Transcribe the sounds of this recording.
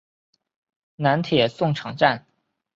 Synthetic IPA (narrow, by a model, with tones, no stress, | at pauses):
na˧˥nt̪ʰjɛ˨˩sʊ˥˩ŋʈ͡ʂʰɑ˧˥ŋʈ͡ʂa˥˩n